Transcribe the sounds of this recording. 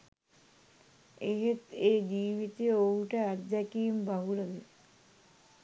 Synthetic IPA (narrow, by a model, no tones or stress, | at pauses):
eɦet̪eːd͡ʒiːʋit̪ejouʈəæt̪d̪ækiːmbaɦuləd̪e